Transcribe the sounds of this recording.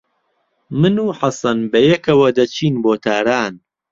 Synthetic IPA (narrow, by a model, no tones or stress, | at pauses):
mɨnuːħasɐnbɐjɛkɐwɐd̪ɐt͡ʃʰiːnboːt̪ʰaːɾaːn